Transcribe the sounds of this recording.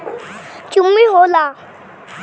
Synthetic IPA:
t͡ʃumːĩɦola

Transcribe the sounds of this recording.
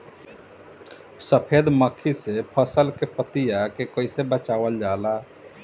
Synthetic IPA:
səpʰed̪məkʰːisepʰəsəlkepət̪ijakekoɪsebət͡ʃaʋəld͡ʒaːla

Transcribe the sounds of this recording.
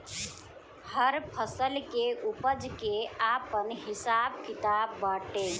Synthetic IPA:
həɾpʰəsəlkeʔupəd͡ʒkeaːpənɦɪsaːb̚kɪt̪aːbːaːʈeː

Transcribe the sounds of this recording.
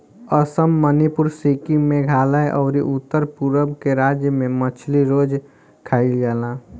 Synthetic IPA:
əsəmːənipʊɾsikimẽɡʱaːlaeʔɔːɾiʔʊt̪ːəɾpuɾəbkeɾaːd͡ʒjəmẽmət͡ʃʰliɾoːd͡ʒ | kʰaːilɡaːlaː

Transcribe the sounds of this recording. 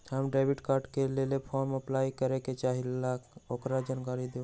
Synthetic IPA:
həmɖɾabiʈkaːɾɖkelelepʰɔɾməplajkəɾeket͡ʃaːɦilakokɾad͡ʒaːnkaɾid̪e

